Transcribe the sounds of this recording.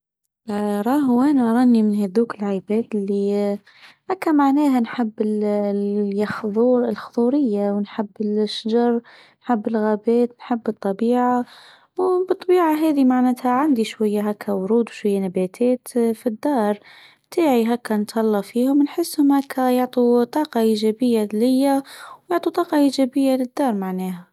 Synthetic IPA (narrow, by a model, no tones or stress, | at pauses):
ɾˤɑːɦʊʔæːnaɾˤɑːnimɪnheðuːkɪlʕabɛːd̪ɪlːi | ʔakːamaʕnæːɦanħɪbːɪl | jxðˤuːɾlxʊðˤuːɾɪjːawnħɪbːɪlʃːad͡ʒɑɾˤ | nħɪbːɪlɣæːbɛːt̪nħɪbːɨt̪ˤːɑbiːʕa | wbɨt̪ˤːɑbiːʕaɦɛːðimaʕnæːt̪haʕand̪iʃwajːaɦækʰːawʊɾuːd̪wʃwajːanabæt̪ʰɛːt̪fid̪ːɑːɾˤ | bt̪ʰaːʕiɦækːænt̪ˤɑlːɑfiːhʊmnħɪsːhʊmhækʰːæjʊʕt̪ˤut̪ˤɑːqɑʔiːʒæbɪjːalɪjːawjʊʕt̪ˤut̪ˤɑːqɑʔiʒæbɪjːalɪd̪ːɑːɾˤmaʕnɛːɦa